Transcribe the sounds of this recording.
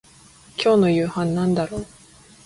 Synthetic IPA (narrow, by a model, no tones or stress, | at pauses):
kʲo̞ːno̞jɯ̟ːhãnːãnd̪aɾo̞ː